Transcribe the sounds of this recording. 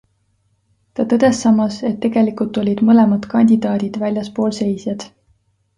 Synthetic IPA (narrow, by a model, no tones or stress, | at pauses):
t̪ɑt̪ɤd̪̥e̞sːɑmːɑse̞t̪ːe̞ɡ̥e̞likult̪ːˑo̞lʲid̪̥mɤle̞mɑd̪̥kɑnʲd̪̥ʲid̪̥ɑːd̪̥id̪̥vælʲjɑspo̞ːlse̞jsjɑd̪̥